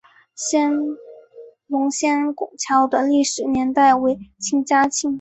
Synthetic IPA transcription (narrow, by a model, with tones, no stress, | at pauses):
ɕjɛ˥n | lʊ˧˥ŋɕjɛ˥nkʊ˨˩ŋt͡ɕʰjɑ˧˥ʊd̪ə˧li˥˩ʂɻ̩˨˩njɛ˧˥nt̪a˥˩ɪwe˧˥ɪt͡ɕʰi˧˥ŋt͡ɕja˥t͡ɕʰi˥˩ŋ